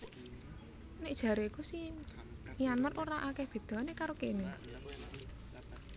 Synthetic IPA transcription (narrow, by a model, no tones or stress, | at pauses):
nɪʔd̥ʒ̥a̤ɾekusi | janmaroɾaʔakɛhb̥i̤d̪̥ɔ̤nekaɾokenɪ